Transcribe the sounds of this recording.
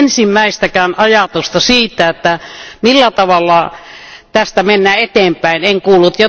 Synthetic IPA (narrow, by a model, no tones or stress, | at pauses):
nsimːæˑist̪ækæːnɑjɑt̪ust̪ɑsiːt̪ːˑæet̪ːæmilːæt̪ɑʋɑlːɑ | t̪æst̪æmenːæːet̪eːmpæˑineŋkuːlːut̪jo